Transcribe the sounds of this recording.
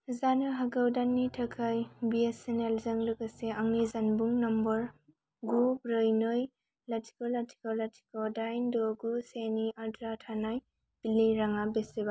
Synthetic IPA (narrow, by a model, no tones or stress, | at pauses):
zanɯɦaɡawdanːitʰɐkʰajbiesenelzɐŋlɯkɐseaŋnizanbuŋnɐmbɐɾ | ɡubɾɯjnoj | latʰi̥kɔlatʰi̥kolatʰi̥kodajndoɡuseniʔadɾatʰanaj | b̥iliɾaŋabeseba